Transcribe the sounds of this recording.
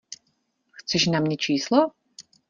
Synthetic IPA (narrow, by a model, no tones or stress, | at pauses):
xt͡sɛʃnamɲɛt͡ʃiːslɔ